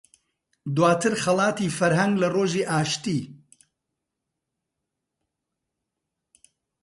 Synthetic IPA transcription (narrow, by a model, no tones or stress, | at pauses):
d̪waːt̪ʰɨɾxɐlˠɑːt̪ifɐɾɦɐŋɡlɐroːʒiːʔaːʃt̪iː